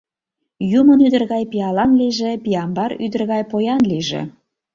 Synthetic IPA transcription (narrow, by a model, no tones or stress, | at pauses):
jumənyd̪ə̆rɣɑjpiɑlɑnliʒĕpiɑmbɑɾy̰d̪ə̆rɣɑjpojɑnliʒḛ